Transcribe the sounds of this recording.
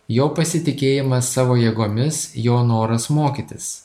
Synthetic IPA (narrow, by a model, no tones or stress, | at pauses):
joːpɐsʲɪt̪ʲɪkʲeːjɪmɐsːɑːʋoːjeːɡoːmʲɪsjoːnoːɾɐsmoːkʲɪt̪ʲɪs